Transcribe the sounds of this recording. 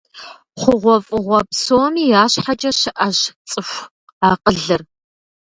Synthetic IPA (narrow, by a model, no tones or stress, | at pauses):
χʷʊʁʷɔfʼɨʁʷɔpsoːmiːjaːɕħad͡ʒʼɐɕɪʔɐɕt͡sʼɨɕʷ | aːqəɮɨr